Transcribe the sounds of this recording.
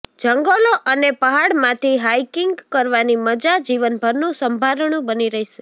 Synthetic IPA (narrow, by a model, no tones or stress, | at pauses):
d͡ʒəŋɡəloʔənepəɦaɽmãt̪ʰiɦaikɪŋɡkəɾʋaniməd͡ʒad͡ʒiʋənbʱəɾnũsəmbʱaɾəɳũbəniɾəɦiʃe̥